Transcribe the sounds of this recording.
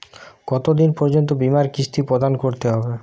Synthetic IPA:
ɡ̥ɔt̪od̪inpɔɾd͡ʑont̪obimaɾkist̪ʰipɾod̪ankoɾt̪eɦɔbe

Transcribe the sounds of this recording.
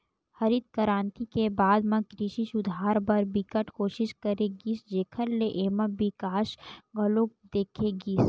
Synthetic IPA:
hɐɾid̪̚kəɾãːnt̪ikebaːd̪mɐ̃kɾiʃisʊd̪ʱaːɾbɐɾbɪkəʈʰkoːʃɪʃkəɾeɡisd͡ʒeːkʰəɾleʔeːmə̃bɪkaːʃɡʱɐlokd̪eːkʰeɡiːs

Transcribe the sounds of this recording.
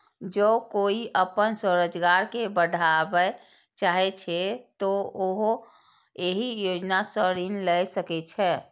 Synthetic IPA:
d͡ʒokoiʔəpənsəɾəd͡ʒɡaɾkebəɖʱabɛ | t͡ʃaɦɛt͡ʃʰɛt̪ɔoɦo | eɦijod͡ʒnasəɾinlɛjsəkɛt͡ʃʰɛ

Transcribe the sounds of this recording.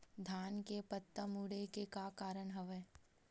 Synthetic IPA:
d̪ʱaːnkepət̪ːəmuːɽekekakaːɾəɳ̃ɦɐʋeː

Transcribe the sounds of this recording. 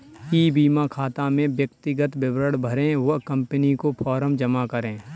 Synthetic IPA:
iːbiːmakʰaːt̪amẽʋjək̚t̪ɪɡət̪bɪbɾəɽbʱəɾẽʋɐɦkɐ̃mpənikopʰɔːɾəmd͡ʒɐmakəɾẽː

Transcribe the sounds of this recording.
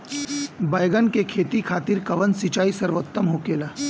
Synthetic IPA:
baːjɡənkekʰeːt̪ikʰaːt̪iɾkɐʋənsit͡ʃaːisɐɾʋot̪ːəmɦoːkeːlaː

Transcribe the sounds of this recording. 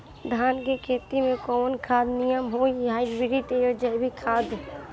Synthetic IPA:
d̪ʱaːnkekʰeːt̪imẽkɔnkʰaːd̪nɪjəmɦoːiɦaːibɪɾit̪eəd͡ʒəjbʱikʰaːd̪

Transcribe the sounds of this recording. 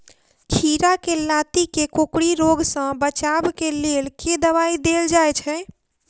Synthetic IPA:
kʰiɾakelat̪ikekokɽiɾoɡsə̃bət͡ʃabkelelked̪əβaid̪eld͡ʒajt͡ʃʰɛ

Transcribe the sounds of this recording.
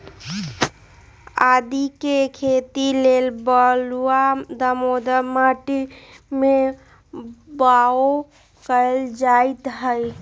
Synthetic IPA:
ad̪ikekʰet̪ilelbəluad̪əmod̪əmaʈime | bao | kəld͡ʒaɪt̪ɦəj

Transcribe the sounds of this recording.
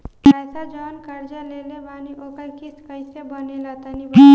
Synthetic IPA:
asad͡ʒɔnkəɾd͡ʒalelebaniʔokəɾkiskəjsebənelat̪ənib

